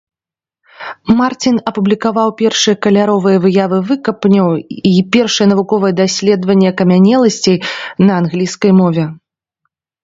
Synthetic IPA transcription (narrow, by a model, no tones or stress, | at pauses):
mart͡sʲinɐpublʲikavawpʲɛrʂɨjɐkɐlʲaɾɔvɨjɐvɨjavɨvɨkɐpnʲɐwipʲɛrʂɨjɐnɐvukɔvɨjɐd̪asʲlʲɛd̪vɐnʲːɛkɐmʲanʲɛlˠɐsʲt͡sʲejnɐanɣlʲiskɐjmɔvʲɛ